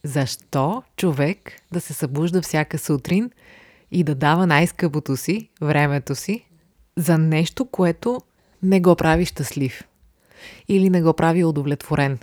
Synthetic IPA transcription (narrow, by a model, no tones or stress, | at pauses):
zɐʃt̪ɔt͡ʃovɛkd̪ɐsɛsɐbuʒd̪əfsʲjakəsut̪ɾin | id̪ɐd̪avənajskɤpot̪osivɾɛmɛt̪osi | zɐnɛʃt̪okoɛt̪o | nɛɡɔpɾʔaviʃt̪əslif | ilinɛɡɔpɾʔaviod̪ovlɛt̪voɾʔɛn